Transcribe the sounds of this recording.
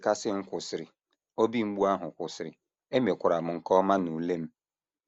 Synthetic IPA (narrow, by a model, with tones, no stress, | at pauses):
ka˦sɪ˦ŋ̩˦kʷʊ˨sɪ˨ɾɪ˨ | o˦bi˦ŋ͡m̩˦ɡ͡bu˦a˦ɦʊ˨kʷʊ˨sɪ˨ɾɪ̰˨ | e˦me˨kʷʊ˨ɾa˨m̩˨ŋ̩˨kɔ˦ma˦nu˨le˦m̩˦